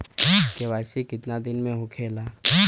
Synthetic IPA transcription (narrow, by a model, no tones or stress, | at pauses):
keʋaːɪsikɪt̪nad̪ɪnmẽɦokʰeːlaː